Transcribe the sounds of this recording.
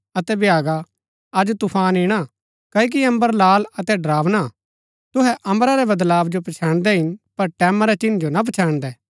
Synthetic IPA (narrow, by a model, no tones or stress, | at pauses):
ɐt̪ɛbjaːɡa | ɐd͡ʒt̪ʊpʰaːnɪɽ̃a | kɐːik̬iɐ̃mbəɾlaːlɐt̪ɛɖɾaːʋna | t̪ʊɦɛʔɐ̃mɾaɾɛbɐd̪laːbd͡ʒopɐt͡ʃʰãːɽ̃d̪ɛɦɪnpɐɾʈɛːmaɾɛt͡ʃɪnd͡ʒonɐp̬ɐt͡ʃʰãːɽ̃d̪ɛː